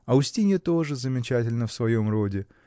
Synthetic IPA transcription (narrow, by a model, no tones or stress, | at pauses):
ɐʊsʲtʲinʲət̪o̞ʐɨzəmʲɪt͡ɕætʲɪlʲnəfsvɐjo̞mro̞dʲɪ